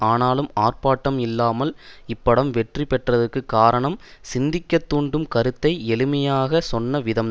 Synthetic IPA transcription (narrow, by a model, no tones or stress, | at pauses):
aːnaːlɯmaːrpaːʈːɐmɪlːaːmɐlɪpːɐɽɐmʋɛʈripɛʈrɐðɯkːɯkːaːɾɐɳɐmsɪnd̪ɪkːɐt̪ːuːɳɖɯmkɐɾɯt̪ːɐɪɛlɯmɐjaːɣɐsɔnːɐʋɪðɐm